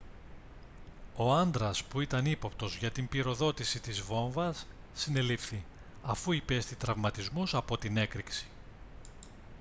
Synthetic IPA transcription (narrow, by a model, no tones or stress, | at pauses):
o̞ɐnd̪ɾɐspuit̪ɐnipo̞pt̪o̞zʝɐt̪imbiɾo̞ðo̞t̪isit̪izvo̞ɱvɐsː | ine̞lifθi | ɐfuipe̞st̪it̪ɾɐvmɐt̪izmusɐpo̞t̪ine̞kɾiksi̥